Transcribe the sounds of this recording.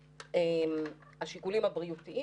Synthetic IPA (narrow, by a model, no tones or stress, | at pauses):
em | aʃikulimabʁiutiʔi